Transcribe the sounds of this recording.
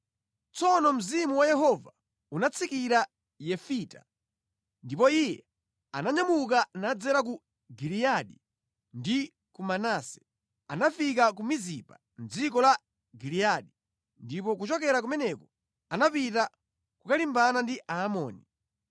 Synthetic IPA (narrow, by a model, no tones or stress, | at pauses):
t͡sɔnɔm̩zimuwajɛɦɔva | unat͡sʰikiɾa | jɛfita̰ | ndipɔijɛ | a̰naɲamuk̬anad͡zɛɾak̬u | ɡilijaɗi | ndi | kumanaːsɛ̥ | anafik̬ak̬umizipa | n̩d͡zikɔla | ɡilijaɗi | ndipɔk̬ut͡ʃɔkɛɾak̬umɛnɛkɔ | anapita | kukalimbanandiaːmɔːni